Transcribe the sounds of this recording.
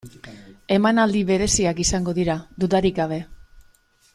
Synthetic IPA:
e̞manald̪iβe̞ɾe̞siakisaŋɡo̞ðiɾad̪ut̪aɾiɡaβ̞e̞

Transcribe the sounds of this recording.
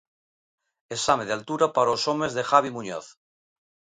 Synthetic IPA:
esameðealt̪uɾapaɾaosomezðexaβ̞imuɲo̰θ

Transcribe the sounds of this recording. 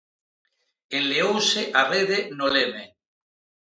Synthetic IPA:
enleowseʔareðenoleme

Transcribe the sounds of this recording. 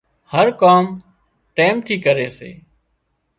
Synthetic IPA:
həɾkaːm | ʈeːmt̪ʰiːkəɾeːsḛː

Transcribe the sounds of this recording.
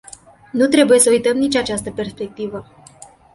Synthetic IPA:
nut̪ɾe̞buje̞səujt̪əmnit͡ʃʲat͡ʃast̪əpe̞rspe̞k̚t̪ivə

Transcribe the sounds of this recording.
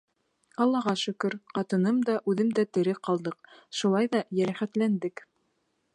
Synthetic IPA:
ɑlˠːɑʁɑʃɵ̆kɵɾqɑt̪ɤ̆nɤmd̪ɑʔʉðɘmd̪æt̪ɘ̆ɾɘqɑlˠd̪ɤqʃulˠɑjðɑjæɾæχæt̪lænd̪ɘk

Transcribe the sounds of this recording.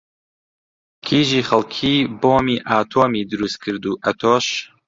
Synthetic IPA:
kʲʰiːʒiːχɐlˠkʰiːboːmiːʔaːt̪ʰoːmiːd̪ɨɾus̚kʰɨɾd̪uːʔɐt̪ʰoːʃ

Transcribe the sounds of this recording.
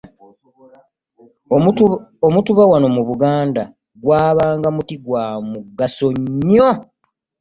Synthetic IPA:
omutuβawano̞muβuɡaːnda | ɡwaːβaːŋɡamutiɡwaːmuɡasoɲːo

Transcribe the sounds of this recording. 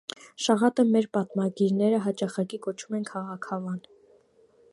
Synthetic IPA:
ʃɑʁɑt̪əmɛɾpɑt̪mɑɡiɾnɛɾəɦɑt͡ʃɑχɑkikɔt͡ʃʰumɛnkʰɑʁɑkʰɑvɑn

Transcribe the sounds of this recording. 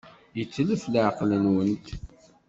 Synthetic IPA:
jət͡sːələfləʕqlənwənt̪

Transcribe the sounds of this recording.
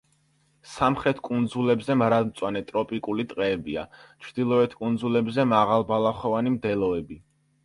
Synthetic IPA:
samχɾɛt̪ʰkʼund̪zulɛbzɛmɾad̪mt̪sʼwanɛt̪ʼɾɔpʼikʼulit̪ʼqʼɛːbia̰t͡ʃʰɾd̪̥ilˠɔɛt̪ʰkʼund̪zulɛbzɛmaʁalˠbalˠaχɛvanimd̪ɛlˠɔɛbi

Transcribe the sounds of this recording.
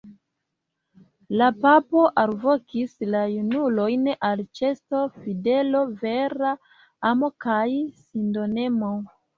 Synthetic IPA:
lapapo̞ʔalvo̞kislajunulo̞jnalt͡ʃe̞sto̞fide̞lo̞ve̞ɾa | amo̞kajsindo̞ne̞mo

